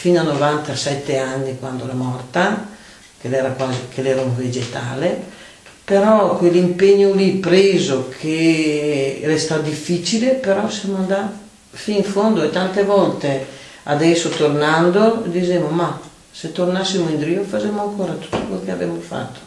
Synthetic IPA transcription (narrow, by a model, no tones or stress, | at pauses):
finanovant̪asɛt̪ːeanːikwand̪oɛɾamɔrt̪a | kelɛɾakwaːzikelɛːɾauɱved͡ʒet̪a̰ːle | peɾɔkwelimpeɲːolipɾeːzokʰe | lest̪ad̪ifːit͡ʃilepeɾɔsjamoand̪a | fiːɱfond̪oet̪ant̪evɔlt̪e | a̰d̪ɛsːot̪ornand̪od̪id͡ʒemoma | set̪ornasːimoind̪ɾiofad͡ʒemoaŋkoːɾat̪u̥t̪ːokwelkeavɛmofa̰t̪ːo̥